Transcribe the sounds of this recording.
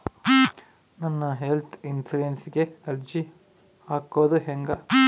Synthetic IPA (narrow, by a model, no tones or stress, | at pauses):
nɐnːɐɦelt̪ʰinsulensiɡeɐɾd͡ʒi | aːkoːd̪uɦeŋɡɐ